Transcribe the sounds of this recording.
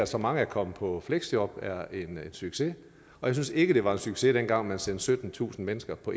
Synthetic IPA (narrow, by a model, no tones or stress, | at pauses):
æsɒ̽mɑ̈ŋəækʰɒ̽m̰pʰɒ̽fleɡ̥sjɒb̥æɐe̝nensyɡ̥se̝ | ɒ̽jaɪsynse̝ɡ̥əd̥e̝ʋɑ̈e̝nsyɡ̥se̝ɾ̥enɡ̥ɑ̈ŋ̰mænsend̥sød̥n̩t͡sʰṵːsn̩menəsɡ̥ɐpʰɒ̽